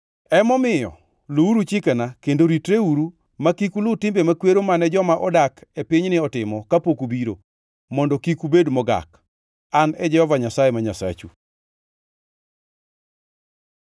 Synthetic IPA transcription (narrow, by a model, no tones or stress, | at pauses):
ɛmɔmɪjɔ̰ | louɾut͡ʃɪkɛnakendoɾitɾeuɾu | makikulʊtɪmbemakweɾomanɛd͡ʒɔmaʔɔdakepiɲnɪɔtɪmɔkapokubiɾo̰ | mɔndɔkikubedmɔɡa̰k | anɛd͡ʒɛhɔvaɲasajemaɲasa̰t͡ʃṵ